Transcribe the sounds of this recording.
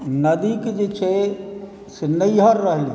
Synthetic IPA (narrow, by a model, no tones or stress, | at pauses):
nɐd̪ikd͡ʒet͡ʃʰe | senəjɦəɾːəɦi